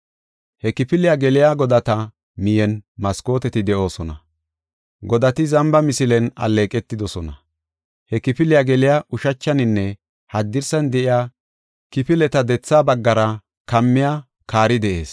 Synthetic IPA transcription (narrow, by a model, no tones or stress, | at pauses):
hɛkɪpɪlɪjaɡɛlɪjaɡɔd̪ɐt̪ɐ | mɪjɛnmɐsko̞ːt̪ɛt̪ɪd̪ɛʔo̞ːsɔnɐ̰ | ɡɔd̪ɐt̪ɪzɐmbɐmɪsɪlɛnɐ̰leːkʼɛt̪ːɪd̪ɔsɔnɐ̰ | hɛkɪpɪlɪjaɡɛlɪjaʔʊʃɐt͡ʃːɐnɪnːɛ | hɐd̪ːɪɾsɐnd̪ɛʔɪjaː | kɪpɪlɛt̪ɐd̪ɛt͡sːaːbɐɡːɐɾɐ | kɐmːɪjaː | kaːɾɪd̪ɛʔe̞̰ːs